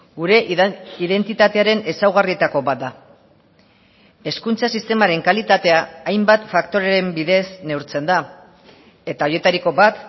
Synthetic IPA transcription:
ɡuɾe̞ʔiðe̞nt̪it̪at̪eaɾe̞ne̞sawɣ̞arie̞t̪ako̞bat̪̚d̪a | e̞skunt͡sasist̪e̞maɾe̞ŋkalit̪at̪e̞aːjmbat̪fakt̪o̞ɾeɾembiðe̞sne̞wɾt͡se̞nd̪a | e̞t̪aoje̞t̪aɾiko̞bat̪

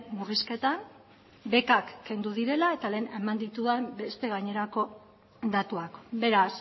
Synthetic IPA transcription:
muriske̞t̪an | be̞kakːe̞nd̪uðiɾe̞lae̞t̪ale̞ːne̞mand̪it̪uðembe̞st̪e̞ɣ̞aɲe̞ɾako̞ | d̪at̪uakbe̞ɾas

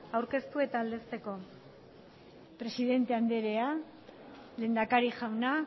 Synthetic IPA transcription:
awɾke̞st̪ue̞t̪aːld̪e̞st̪e̞ko̞ | pɾe̞siðe̞nt̪e̞and̪e̞ɾe̞a | le̞ːnd̪akaɾiʝawna

